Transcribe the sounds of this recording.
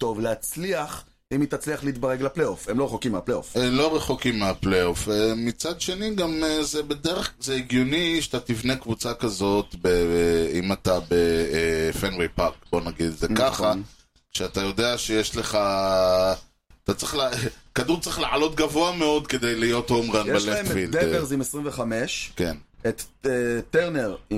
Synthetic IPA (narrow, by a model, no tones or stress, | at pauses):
t̪o̞vleat͡sliaχ | imit̪at͡sliaχliit̪baʁeɡlaplejofemloeχokimeapleofemlo̞ʁeχokimːeapleo̞femit͡sad̪ʃe̞niɡamezebedeʁeχzeiɡjoniʃat̪at̪ivne̞kvut͡sakazo̞t̪beimat̪abefenwepaʁkbo̞naɡid̪zekaχa | ʃeat̪ajo̞deaʃejeʃle̞χa | at̪at͡sʁiχlekaduʁt͡sʁiχleʕalo̞t̪ɡavo̞ame̞o̞d̪ke̞d̪ejlijo̞t̪homʁanjbelefild̪eeʁzimesʁimveχameʃke̞net̪ːteʁneʁ